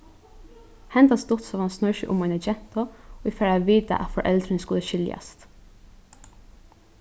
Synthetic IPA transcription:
hɛnt̪anst̪ʊt̪sɔʋansnœɹʃə̰ʔʊ̰mɔɪnɛd͡ʒɛn̥t̪ɔifɛːɹaʋiːt̪a̰ʔæ̰t̪fɔɹʔɛlt̪ɾɪnskʊləʃɪlja̰st̪

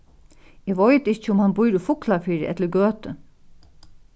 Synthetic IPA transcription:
ɛːʋɔjt̪ɪt͡ʃːəʊmhanbʊjɾʊfʊklafiːɾɪ̰ʔɛ̰t̪ləɾɡøːt̪ə

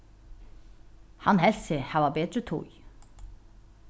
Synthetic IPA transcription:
hɑnhɛlsɪhɑːʋɑbeːd̪ɾət̪ʰṵj

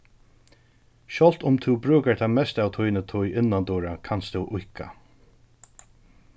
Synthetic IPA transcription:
ʃɔl̥t̪ʊmt̪ʰubɾʉːkaɹt̪ʰamɛst̪aːwt̪ʰujnət̪ʰɔjɪnːand̪uːɹakʰanst̪ʰɛwʔʊhkʰa̰

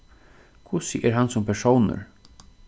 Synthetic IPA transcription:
kʰʊsəʔɛɾɦɑnsɔmpʰæʂoːnə̰ɾ

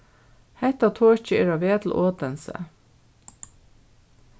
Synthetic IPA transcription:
hɛt̪ɑt̪ʰoːʃçəeɾɑːʋeːt̪l̩ʔoːt̪ənsə̰

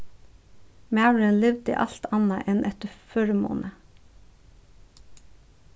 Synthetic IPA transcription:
mæɑːɹəlɪʋd̪ḭːʔɑ̰lt̪ʰɑnɑʔɛnʔɛt̪əføːɹmo̰ːnʔə

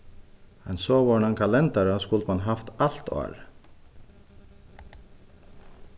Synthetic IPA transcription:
mɛ̰nsoːʋɑːɳɑŋkʰɑlɛnt̪ɑɾɑskʉlt̪mɑnɦɑft̪ɑl̥t̪ʰo̰ːɾ

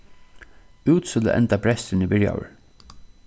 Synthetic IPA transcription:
ʉːt̪skʊlə̰ʔɛ̰nt̪apʰɾɛst̪ɪnibɪɹja̰wə̰ɹ

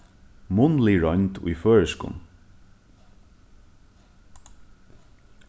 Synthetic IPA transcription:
mʊnliɹɔɲt̪ṵjføːɹɪskʊ̰n

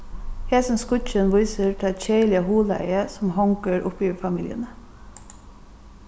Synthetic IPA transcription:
heːsən̩skʉc͡çənʋʊɪsət̪ʰçeɪlɪəhuːləæ̰ɪəsm̩hɑŋkəɾʔʊ̰piːfɑmiːlɪə̰nə

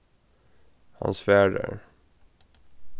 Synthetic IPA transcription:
ha̰nsvæːɖə̰ɾ

